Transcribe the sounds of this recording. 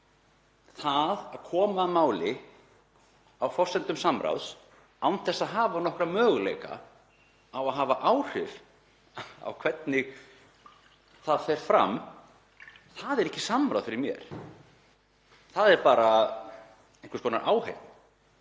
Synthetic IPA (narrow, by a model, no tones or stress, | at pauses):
θaðaðkʰɔːmaːmaːwlɪ | awfɔr̥sɛnt̪ʏmsamːɾa̰wðs | awnθɛsːaðɦaːvanɔhkɾamœːɣlḛjka̰ː | waðɦaːvaʔaːwr̥ʏv | a̰wkʰvɛt̪nɪɣ | θaðfejɾ̥fɾa̰m | θaðɛɾɛhcːɪ̥samɾa̰wðfɪɾɪɾmjɛ̰ɾ̥ | θaðɛɾpaːɾa | ẽŋkʏ̥skʰɔːnaɾʔaːwhḛ